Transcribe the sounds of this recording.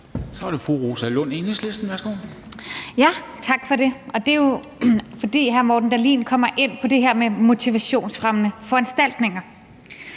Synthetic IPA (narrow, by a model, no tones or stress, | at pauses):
sɒ̽ɐɾ̥e̝fʁuʁo̝ːsælɔn̰enesle̝sd̥n̩ʋæɐsɡ̥o̝̰ː | jæt͡sʰɑ̈ɡ̥fɒ̽ɾ̥e̝ʔɒ̽d̥e̝jo̝ | fɒ̽d̥ḭːɦæɐmɒːd̥n̩d̥æɐlḭːnkʰɒ̽m̰ɐʔe̝n̰pʰɒ̽d̥e̝ɦeɐ̰memo̝t͡sʰiʋæɕo̝̰ːnsfʁamnəfɒ̽ænsd̥æl̰d̥ne̝ŋɐ